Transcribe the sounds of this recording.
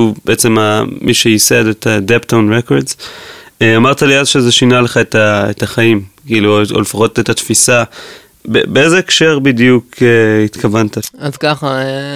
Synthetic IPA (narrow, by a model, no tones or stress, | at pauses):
ubeʔet͡se̞mamʔiʃeisedetʰadeptownʁekoʁdz | eamaʁt̪aliazʃezeʃinaleχaetaetaχaimkiiːluo̰lfaχo̞tetat̪fisa | bḛbeezeːkʃe̞ʁbidjukeitkʰavantaazkaχa